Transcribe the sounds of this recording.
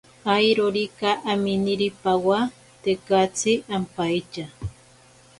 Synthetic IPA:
ajɾoɾikaʔaminiɾipawa | t̪ekat͡sɪʔampajt͡ʃa

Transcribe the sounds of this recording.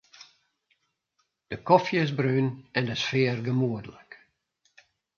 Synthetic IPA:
d̥əkɔfjəɪzbrɾyːnɛndəsfɪːərɡəmuədələk

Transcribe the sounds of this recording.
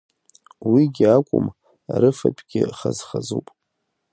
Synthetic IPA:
wiɡʲɪakʷʼʊm | aɾɨfapʼɡ̥ʲɪχazχazupʼ

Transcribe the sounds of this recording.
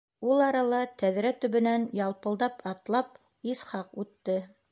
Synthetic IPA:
ulˠɑɾɑlˠɑt̪æðɾæt̪ɵ̆βɘ̆nænjɑlˠpɤ̆lˠd̪ɑpɑt̪lˠɑp̚ | isχɑqʉt̪ːɘ

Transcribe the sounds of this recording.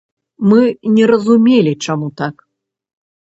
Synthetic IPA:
mɨnʲɛɾɐzumʲelʲit͡ʂamut̪ak

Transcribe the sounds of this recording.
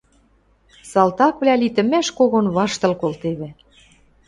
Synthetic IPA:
sɑlt̪ɑkβlʲælit̪ɘ̆mæʃkoɣonβɑʃt̪ɤ̆lkolt̪eβĕ

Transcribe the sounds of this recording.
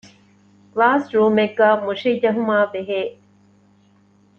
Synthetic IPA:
klaːsɾuːmeɡːaːmuʂid͡ʒɐɦumaːbeɦeː

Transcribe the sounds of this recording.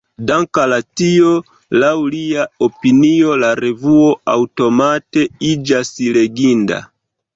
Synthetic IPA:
daŋkalatio | lawliaopinio̞laɾe̞vuo̞awto̞mate̞id͡ʒasile̞ɡinda̰

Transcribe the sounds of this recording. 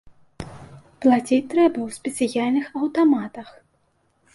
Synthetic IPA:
plˠat͡sʲit͡sʲt̪ɾɛbɐwsʲpʲɛt̪sɨjalʲnɨxɐwt̪amat̪ɐx

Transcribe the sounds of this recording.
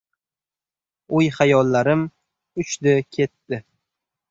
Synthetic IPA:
ʊjhajɒlˠːaɾɪm | ʊt͡ʃd̪ɪkʲʰe̞t̪ːɪ

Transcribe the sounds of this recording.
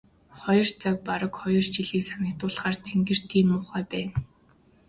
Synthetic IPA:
χɔjɞ̆rt͡sak̚paɾə̆kχɔjɞ̆rt͡ɕiɮiːksanə̆kt̪ʊːɮχaːrt̪ʰeŋɡɘ̆r̥t̪ʰiːmʊːχæːpæːn

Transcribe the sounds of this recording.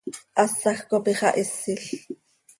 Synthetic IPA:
ʔɑsːɑxkopiχɑ̰ʔɪsːɪɬ

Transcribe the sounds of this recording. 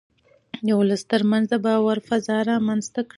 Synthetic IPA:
j̪awləst̪əɾmanzabɑwaɾfazɑɾɑmanzt̪akɽ

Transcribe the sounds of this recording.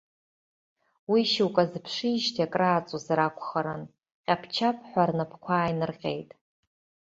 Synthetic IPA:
wiʃiwkʼazpʰʂiːʒtʰiakʼraːt͡sʼuzaɾakʷʰʼχaɾɨn | qʲʼapʰt͡ʃʰapʰʼħʷarnapʰkʷʰaːjnɨrqʲʼḛjtʼ

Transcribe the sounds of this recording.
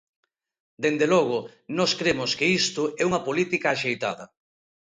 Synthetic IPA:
d̪end̪elɔɣ̞ʊnɔskɾemʊskɪist̪ʊʔɛuŋɐpolit̪ikɐːʃejt̪a̰ðɐ

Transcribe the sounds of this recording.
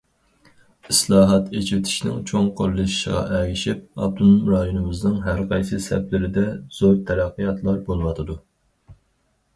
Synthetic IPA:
islˠɑːɦɑt̪et͡ʃɪt̪ʰɪ̥ʃnɪ̰ŋt͡ʃʰoŋqʰolːɨʃi̥ʃə̰ʁɑ̰ʔɛɡʲiʃip̚ɑ̰b̚t̪ʰunmɾɑjonɨmɨznɨŋɦæɾqʰɑjsɨsɛ̰plɪɾɪd̪ɛz̥oɾt̪ʰɛɾɑqːəjɑt̪ʰlˠɑɾbolˠɨwɑt̪ʰɨd̪u

